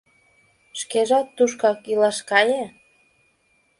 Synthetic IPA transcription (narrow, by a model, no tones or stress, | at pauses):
ʃkeʒɑt̪ːuʃ̬kɑkilɑʃkɑje